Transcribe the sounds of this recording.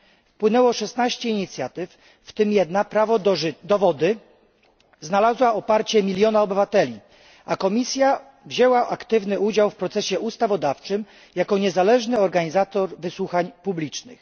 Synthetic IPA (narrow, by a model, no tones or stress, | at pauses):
fpwɘnɛwɔʂɛsnaɕt͡ɕɛiɲit̪sʲjat̪ɘfː | t̪ɘmjɛd̪napɾavɔd̪ɔvɔd̪ɘ | znalazwaɔpaɾt͡ɕɛmʲilʲjɔnaɔbɘvat̪ɛlʲi | akɔmʲisʲja | vʑɛwaʔakt̪ɘvnɘud͡ʑawfpɾɔt̪sɛɕɛʔust̪avɔd̪aft͡ʂɘm | jakɔɲɛzalɛʐnɘɔɾɡaɲizat̪ɔɾvɘswuxaɲpublʲit͡ʂnɘ̰x